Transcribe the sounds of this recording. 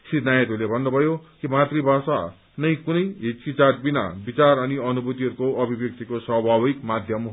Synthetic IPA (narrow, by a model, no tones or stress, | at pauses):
sirnajet̪ɦulebʱʌnːobʱʌjokimat̪ribʱasa | nʌjkunʌjɦit͡skit͡sarbina̰bit͡sarʌniʌnubut̪iɦʌɾukoʌbʱibjʌk̚t̪ikoswʌbʱabikmad̪ʱjʌm